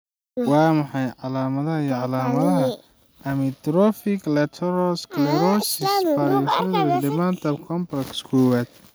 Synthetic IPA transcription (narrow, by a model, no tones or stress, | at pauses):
wɑːmɑħɑjʕɑlaːmɐðɐɦɐijɔʕɑlaːmɐðɐɦɐ | ɐmɪt̪ɾɔfɪklɛt̪ʰɛɾɔsklɛɾɔsɪsfaɾiʃɐðɐdɛmant̪ʰɐbkʰɔmplɛkskʰɔːwaːd̪̥̚